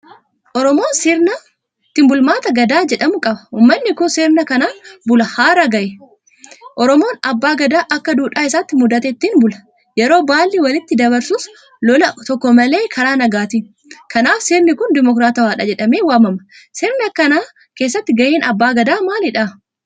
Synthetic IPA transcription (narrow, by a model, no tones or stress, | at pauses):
ʔɔɾɔmo̞ːnsiːɾna | t̪ːɪmbʊlmaːt̪ɐɡɐd̪aːd͡ʒɛᶑɐmʊkʼɐbɐ̥uːmːɐnːɪkʊnsiːɾnɐkɐnaːbʊlɐhaːɾɐɡɐʔɛ | ʔɔɾɔmo̞ːnɐbːaːɡɐd̪aːʔɐkːɐd̪uːᶑaːɪsaːt̪ːɪmʊd̪ɐt̪ɛɪt̪ːiːnbʊlɐ̥ | jɛɾo̞ːbaːlːiwɐlɪt̪ːɪd̪ɐbɐɾsuːs | lɔlɐt̪ɔkːɔmɐle̞ːkʰɐɾaːnɐɡaːt̪in | kɐnaːfsiːɾnɪkʊnd̪ɪmɔkɾaːt̪ɐwaːᶑɐd͡ʒɛᶑɐmeːwaːmɐmɐ | siːɾnɐkɐnaː | ke̞ːs̬ːɐt̪ːɪɡɐʔeːnɐbːaːɡɐd̪aːmaːlɪᶑaː